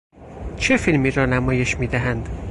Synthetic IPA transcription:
t͡ʃʰe̞filmiːɾɒːnæmɒːje̞ʃmiːd̪æɦænd̪

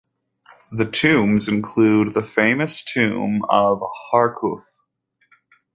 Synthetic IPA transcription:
ðɨtʰʉ̃mzɨ̃nkʰl̥ʉd̪̚ðəfẽɪ̃mɨstʰʉ̰̃mʌv̥hɑɹkʰṵθ

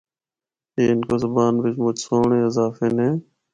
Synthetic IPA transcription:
eːɪnkozəbaːnʋɪd͡ʒmʊt͡ʃsoːɳẽːɪzaːfeːnẽː

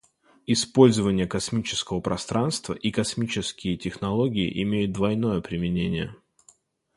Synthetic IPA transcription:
ɪspo̞lʲzəvənʲɪjəkɐsmʲit͡ɕɪ̥skəvəpɾʔɐst̪ɾanst̪və̰ʔikɐsmʲit͡ɕɪskʲɪjɪtʲɪxnɐlˠo̞ɡʲɪɪ̰ʔɪmʲejʊt̪̚d̪vɐjno̞jəpɾʲɪmʲɪnʲenʲɪjə̰

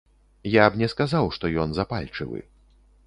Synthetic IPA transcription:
jabnʲɛskazawʂt̪ɔjɔnzapa̰lʲt͡ʂɨ̰vɨ̰

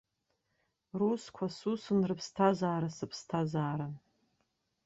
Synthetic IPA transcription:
ruskʷʰasusɨnrɨpʰstʰazaːɾasɨpʰstʰazaːɾa

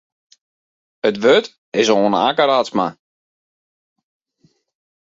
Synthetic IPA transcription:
ətʋøt | ɪsoonəakəɾatsma

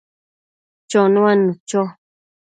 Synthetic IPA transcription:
t͡ʃonũanut͡ʃo

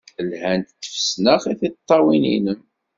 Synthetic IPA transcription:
lhænt̪θə̥fsnəχiθit̪ˤːɑwinḭnəm

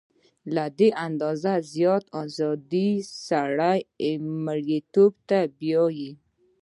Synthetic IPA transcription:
lad̪eʔand̪ɔzazjɔt̪ɔzɔd̪isaɽajmaɽjet̪obt̪abjɔji

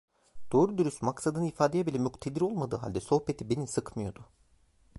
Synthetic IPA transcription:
d̪̥o̞ːɾud̪yɾysmaksad̪ɯnɯifaːd̪ejebilʲɛmykt̪ʰed̪iɾo̞lˠmad̪ɯ̰ːɦa̰lʲd̪ɛso̞hpe̞t̪ʰibe̞nisɯkmɯjo̞d̪ʊ

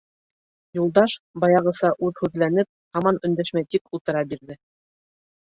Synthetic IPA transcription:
julˠd̪ɑʃbɑjɑʁɤ̆sɑʔʉðhʉðlænɘp̚hɑmɑnɵ̆nd̪æʃmæjt̪ikʰulˠt̪ɤ̆ɾɑbiɾðɘ

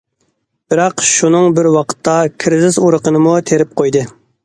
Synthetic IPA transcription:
b̥ɪɾɑqʃunɨŋbɪɾwɑqʰə̥t̪ʰːɑkʲʰɾɪzɪzuɾəqənɨmut̪ʰeɾɪp̚qʰojd̪ɨ

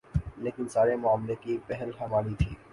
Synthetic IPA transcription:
leːkɪnsaːɾemʊaːmlekipɛɦəlɦɐmaːɽit̪ʰiː

